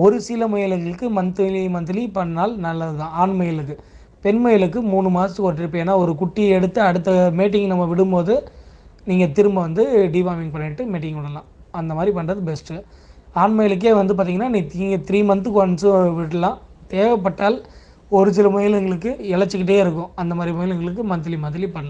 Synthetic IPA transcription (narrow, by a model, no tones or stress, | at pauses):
ɔɾɯsɪlɐmʊjɐlɛŋɡɐɭɯkːɯmɐnt̪ɯlimɐnt̪ɯlipɐɳːaːlnɐlːɐðɯðãːaːɳmɐjɐlɯkːɯ | pɛnmɐjɐlɯk̬ːɯmuːɳɯmaːsɐt̪ːɯkoːʈ̬ːɪɾɯp̬ːẽːeːnːaːɔɾɯkʊʈːiɛɽɯt̪ːɯɐɽɯt̪ːɐmeːʈ̬ːɪŋɡnɐmːɐʋɪɽɯmpoːðɯniːŋɡɐt̪ɪɾɯmbɐʋɐnd̪ɯɖiːʋaːmɪŋɡ̚pɐɳːɪʈːɯmeːʈ̬ːɪŋɡʋɐɽɐlã̰ː | ɐnd̪ɐmaːd̪ɾipɐɳːrɐðɯbɛsʈɯ | aːɳmɐjɐlɯk̬ːeːʋɐnd̪ɯp̬aːɾt̪iːŋɐnːaːnĩːiːŋɡɐt̪ɪɾiːmɐnt̪ɯkɔnsɯʋɪɽɐlãːt̪eːʋɐp̬ːɐʈːaːl | ɔɾɯsɪlɐmɐjɐlɛŋɡɐɭɯkːɯɪɭɐt͡ʃːɯkːɪʈ̬ːɐjeːɪɾɯk̬ːʊ̃ɐnd̪ɐmaːd̪ɾimɐjɪlɛŋɡɐɭɯkːɯmɐnt̪̬ɪlimɐðɪlipɐɽɐlɐ̃